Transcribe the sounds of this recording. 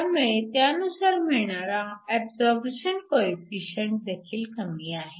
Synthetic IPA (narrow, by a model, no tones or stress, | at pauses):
amẽt̪jãnũsaɾmeɽ̃aɾaɛbzɔɾbeʃənkoːipiːʃə̃ɳʈ̚d̪eːkʰilkənɡiaːɦeː